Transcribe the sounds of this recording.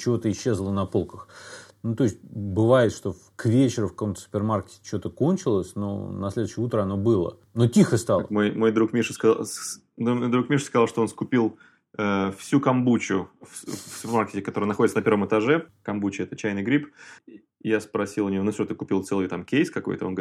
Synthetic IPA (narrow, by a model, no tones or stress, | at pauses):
t͡ɕɪvo̞t̪əɪɕːe̞zlˠənɐpo̞lˠkəxnut̪o̞ɪsʲt̚ʲbɨvajɪt̪ʂt̪o̞ | kvʲet͡ɕɪɾʊfkɐ̥komt̪ə̥sʊ̥pʲrmarkʲɪ̥tʲɪt͡ɕot̪əkonʲt͡ɕɪlˠəsʲno̞̰nɐslʲe̞d̪ʊɕɪjut̪ɾəɐno̞bɨlˠə̰ | no̞tʲixəst̪ɑlˠəmojmo̞jd̪ɾukmʲiʂsk | numojd̪ɾukmʲiʂskɐzɑlˠʂt̪oonskʊpʲilˠ | əfsʲukɐmbut͡ɕʊffsʊpʲɪrmarkʲɪtʲɪkɐt̪oɾɨjənɐxodʲɪt̪sənɐpʲervəmɨt̪ɐʐɛkɐmbut͡ɕɪɛt̪ət͡ɕæjnɨjɡɾʲip | jaspɾɐsʲilˠʊnʲɪonufsʲot̪əkʊpʲilˠt̪sɛlˠɨjt̪amkʲejskɐko̞̰jt̪əon